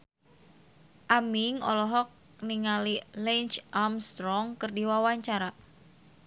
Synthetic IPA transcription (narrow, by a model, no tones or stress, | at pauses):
ʔamiŋɔ̰lɔɦɔk̚ | niŋalilɛnt͡ʃʔamst̪ɾɔŋkɨrdiwawaɲt͡ʃaɾa